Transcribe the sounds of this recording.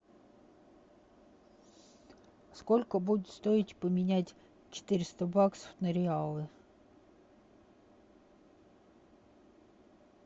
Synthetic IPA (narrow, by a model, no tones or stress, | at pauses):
skolʲkəbudʲɪt̪st̪oɪtʲpəmʲɪnʲætʲ | t͡ɕɪ̥t̪ɪɾʲɪst̪əbaksə̥fnəɾʲɪalˠɨ